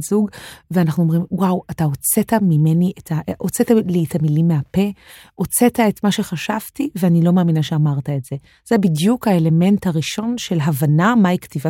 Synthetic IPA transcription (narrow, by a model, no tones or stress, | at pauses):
zuɡveanaχnuo̞mʁimwawataot͡setamime̞niʔetaʔot͡setalietamilimːeɦape̞ʔo̞t͡se̞tae̞tmaʃe̞χaʃav̥tiveanilo̞maːminaʃe̞amaʁtaetz̥e̞ | z̥ebidjukhaele̞me̞nthaʁiʃo̞nʃe̞lɦavanamaiktiva